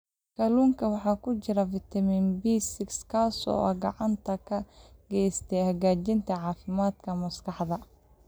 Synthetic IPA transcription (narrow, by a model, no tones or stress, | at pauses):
kʰɐluːŋkʰɐwɑħɑːkʰʊt͡ʃɪɾɐfɪt̪ʰɐmiːnbiːsɪkskʰaːsɔ̰ːʔɐ̰ɡɑʕɑnt̪ʰɐkʰɐɡ̥ɛːst̪ʰɛjhɐɣaːt͡ʃɪnt̪ʰɐʕɑːfɪmaːd̪kʰɐmɐskɑħðɐ